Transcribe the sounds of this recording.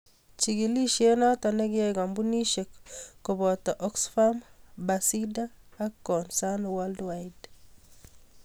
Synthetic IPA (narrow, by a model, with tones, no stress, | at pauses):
t͡ʃi˨ɡi˨li˦ʃje˦nɔ˦tɔ˨ne˦ɡɪ˦ɛ˦ɡa˨mbu˦ni˦ʃe˨kːo˨bɔ˨tɔ˨ʔɔ˦ksfa˦mba˨si˦daː˦kːɔ˨nsa˦nwɔ˦ldwa˦jd